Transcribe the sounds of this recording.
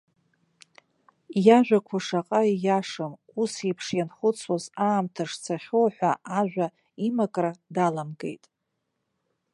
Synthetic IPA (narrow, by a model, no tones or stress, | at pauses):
jaʒᶣʷakʷʰaʂaqʼaijaʂɨm | usipʰʂjanχʊt͡sʰwazaːmtʰaʂt͡sʰaχʲowħʷaʔaʒᶣʷa | imakʼradalamɡe̞̰jtʼ